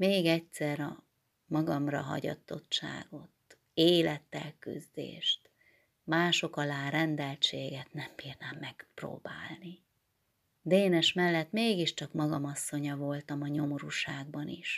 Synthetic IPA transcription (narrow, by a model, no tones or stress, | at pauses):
meːɡɛcsɛɾɒ | mɒɡɒmrɒ̰ɦɒ̰ɟɒ̰t̪ːo̞tt͡ʃa̰ːɡo̞t̪ | eːlɛt̪ːɛ̰lky̰zd̪ḛːʃt̪ | maːʃo̞kɒlaːrɛnd̪ɛlt͡ʃeːɡɛt̪nɛmbiːrnaːmːɛkpro̰ːbaːlni | d̪eːnɛʃmɛlːɛt̪meːɡiʃt͡ʃɒkmɒɡɒmɒsːo̞ɲɒvo̞lt̪ɒmɒɲo̞moɾuʃaːɡ̚bɒnḭʃ